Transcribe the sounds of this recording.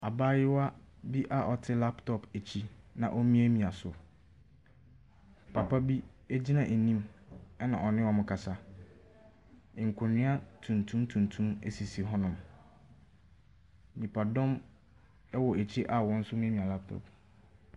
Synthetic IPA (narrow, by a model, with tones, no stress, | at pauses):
a˨baː˦jɪ˦wa˦ | bi˦ʔa˨ʔɔ˨tʰɪ˦la˦ptʰɔ˨pʰæ˨t͡ɕʰi˦nã̰˨ʔɔ˦mĩ˦æ˦mĩ˨a˨sʊ˨ | pʰa˨pʰa˦bi˦ | e˦d͡ʑi˦nã˨ʔe˨nĩ˦mɛ˦nã˨ɔ˨nɪ̃˦wɔ˨mʊ̃˨kʰa˨sa˨ | ɪ̃˨ŋ̩˨kʷʰʊ˨ɲɪ̃˦a˦tʰũ˨ntʰũ˦mtʰũ˨ntʰũ˦mḛ˨si˨si˨ɦɔ̃˦nʊ̃˨m | nĩ˨pʰa˨dɔ̃˦m | ɛ˦wɔ˨æ˨t͡ɕʰi˦ʔa˨wɔ̃˦n̩˦sʊ˦m̃˦æ˦mĩ˨a˨la˦p̚tʰɔ̰˨p